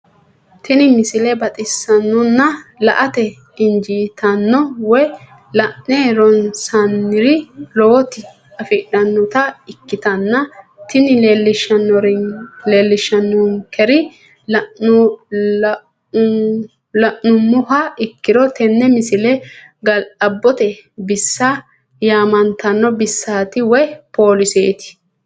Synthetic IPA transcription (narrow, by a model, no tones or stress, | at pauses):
t̪ʰɪnɪmɪsɪlɛbɐt̪ʼɪsːɐnːɔnːɐlɐ̰ʔɐt̪ɛ | ɪnd͡ʒiːt̪ɐnːɔwɔj | lɐʔneɾɔnsɐnːɪɾɪlɔwɔt̪ɪ | ɐfɪᶑɐnːɔt̪ɐɪkːɪt̪ɐnːɐt̪ɪnɪleːlːɪʃɐnːɔɾleːlːɪʃːɐnːʊŋkɛɾɪ | lɐʔ | lɐʔnʊmːʊhɐɪkːɪɾɔt̪ɛnːɛmɪsɪlɛ | ɡɐlɐbːɔt̪ɛbɪsːɐ | jaːmɐnt̪ɐnːɔbɪsːaːt̪ɪwɔjpoːlɪseːt̪ɪ̥